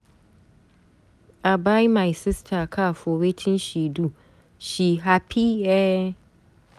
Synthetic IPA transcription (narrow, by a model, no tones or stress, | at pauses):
ʔabajmajsɪstʰakʰafoɾetʰɪ̃nʃiːdu | ʃiːɦapʰiɛ